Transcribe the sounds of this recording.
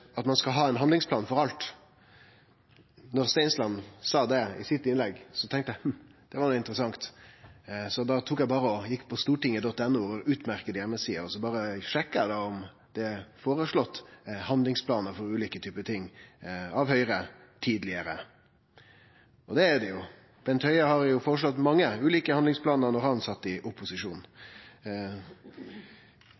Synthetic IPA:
ɑt̪mɑnskɑlɦɑːɛnɦɑnd̪lɪŋsplɑːnfɔɾɑlt̪ | nɔɾst̪ɛɪnslɑnːsɑːd̪ɛɪ̰sɪt̪ːɪnlɛɡsɔt̪ʰɛŋkt̪əɛm̩d̪̥ɛʋɑɾnuːɪnt̪əɾəsɑŋt̪ | sɔd̪ɑt̪ʰuːkjæɪbɑːɾəɔjɪkːpʰɔst̪uːʈɪŋːəd̪ɔt̪ːɛnːuɔɾʉːt̪mæɾkəd̪əjɛmːəsiːəɾɔsɔbɑːɾəʂɛkːəd̪ɑɔm | d̪̥ɛfoːɾəʂɭɔt̪ːhɑnd̪lɪŋspʰlɑːnəɾfɔɾʉːliːkət̪ʰyːpət̪ʰɪŋːɑʋhœʏɾə | t̪ʰiːd̪lɪəɾə | ʔɔd̪ɛːɾɖ̪ɛjʊ | b̥ɛnt̪hœʏɑhɑɾjʊfɔːɾəʂlɔt̪ːmɑŋːəʉːliːkəhɑnd̪lɪŋspʰlɑːnəɾnɔɾhɑnsɑt̪ːɪʔʊpʊsɪʂuːnn̩

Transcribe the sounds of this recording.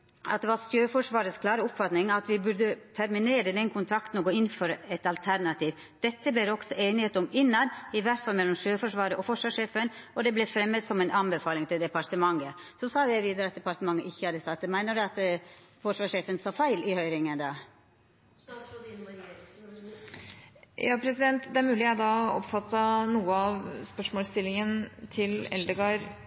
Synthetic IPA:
ɑ̰t̪̚d̪ɛʋɑɾst̪jøːfɔʂʋɑːɾəskʰlɑːɾəʊpfɑt̪nɪŋɑt̪ʋɪbʉɾd̪ət̪ʰæɾmɪneːɾəd̪ɛnkʰʊnt̪ʰɾɑkt̪n̩ɔɡoːɪnːfɔɾɛt̪ɑlt̪ʰæɾɳɑt̪ʰiːʋ | d̪̥ɛt̪ːəbeːɾɔɡ̥sɔʔeːnɪheːt̪əɔmɪnːɑnɪʋæɾʈ̪fɑlmɛlːɔmʂøːfɔʂʋɑːɾəʔɔfɔʂʋɑːʂeːfənʔɔd̪ɛblɛfɾɛmːəd̪sɔmæɪnʔɑmbəfɑːlɪŋt̪ʰɪld̪ɛpɑɾt̪əmɑŋːəsɔsɑːjæɪʋiːd̪əɾəɑt̪̚d̪ɛpɑɾʈ̪t̪əmɑŋːəʔɪçːəhɑːd̪əst̪ɑt̪d̪ɛmæɪnəɖɛɑt̪ | fɔʂʋɑːʂeːfənsɑːfæɪlɪhœʏɾɪŋənd̪ɑː | jɑːpʰɾɛsɪd̪ɛnt̪d̪ɛæɾmʉːlɪæd̪ɑɔ̰pfɑt̪ːɑnuːəɑʋspœʂmoːst̪ɪlːɪŋənt̪ʰɪlɛ̰ld̪əɡɑːɾ

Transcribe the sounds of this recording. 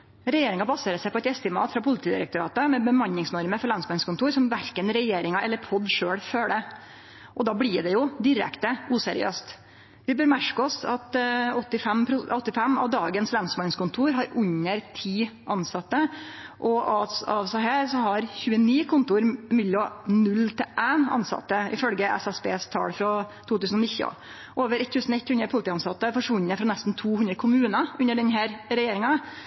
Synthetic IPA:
ɾɛjeːɾɪŋɑbɑseːɾəsæɪpʰɔɛt̪ɛst̪ɪmɑ̰ːt̪fɾɑpʰʊlɪt̪iːd̪ɪ̰ɾə̰kt̪ʊɾɑ̰ːt̪əmɛbəmɑɲːɪŋsnɔɾməɾfɔɾɭɑnsmɑnskʊnt̪uːɾsɔmʋæɾkənɾɛjeːɾɪŋɑʔɛlːəɾpʰɔd̪ʂøːɽføːɽə | ʔɔd̪ɑːbɽɪɖ̪ɛjʊd̪ɪɾɛ̰kt̪əuːsɛɾɪ̰ø̰ːst̪ | ʋɪbøːɾmæʂkɔsɑt̪ɔt̪ːɪfɛmpʰɾʊɔt̪ːɪfɛmːɑ̰ʋd̪ɑːɡənslɑnsmɑnskʊnt̪ʰuːɾɦɑɾʉɲəɾt̪ʰiːʔɑnsɑt̪ːəʔɔɑɑʋsæɪɦæːɾsɔɦɑɾçʉːəniːkʰʊnt̪ʊɾmɪljɔnʉlːt̪ʰɪʔænɑ̰nsɑ̰t̪ːəɪ̰fœlɡəɛ̰sæsbḛːst̪ʰɑ̰ːɽfɾɑt̪ʰuːt̪ʉːsən̩ɔnɪçːəə̰ | ʔoːʋəɾɛt̪ʰːʉːsənɔɛt̪ːhʉnɾəpʰʊlɪt̪iːɑnsɑt̪ːəfɔʂʋʉnːəfɾɑnɛst̪n̩t̪ʰuːhʉnɾəkʰʊmʉːnɑʉnːəɖɛnɦæːɾɾɛjeːɾɪŋɑ

